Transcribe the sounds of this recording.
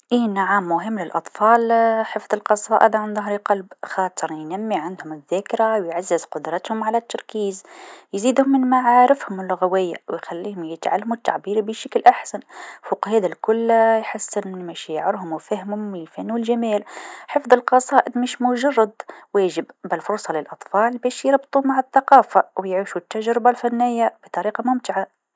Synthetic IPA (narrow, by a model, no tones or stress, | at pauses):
ʔiːnaʕamːʊɦɪmːlɪlʔɑt̪ˤfɑːlħəfðˤɨlqɑsˤɑːʔɪ̰d̪ʕanðˤɑɦɾiqɑlbxɑːt̪ˤɨɾˤjnæmːiʕand̪hʊmɪðːæːkɾawjʕazːɪzqʊd̪ɾˤɑt̪hʊmʕalæt̪ːɑɾˤkiːzjziːd̪hʊmːɪnmaʕaːɾɪfhʊmɪlːʊɣawɪjːawjxælːiːhʊmjɪt̪ʕa̰lːamut̪ːa̰ʕbiːɾbəʃaklʔaħsanfuːqhɛːd̪alkʊlːjħasːɪnmæʃaʕɪɾɦʊmwfæhmhʊmlfænːulʒamɛːlħəfðˤɨlqɑsˤɑːʔɪd̪meʃmʊʒɑrˤːɑd̪wæːʒɪbbɪlfʊɾˤsˤɑlɪlʔɑt̪ˤfɑːlbɛːʃjəɾˤbt̪ˤumaʕɪθɑqɑːfawjʕiʃut̪ːaʒɾɪbalfænːɪjːab̥it̪ˤɑɾiːqɑmʊmt̪ɪʕa